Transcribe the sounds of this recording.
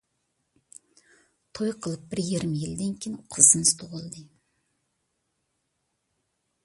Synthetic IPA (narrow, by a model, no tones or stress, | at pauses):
t̪ʰo̞jqʰəlˠəp̚b̥ɪɾjeɾɪmjɪld̪eŋkʲʰejqʰəzənst̪ʰoʁəlˠd̪əj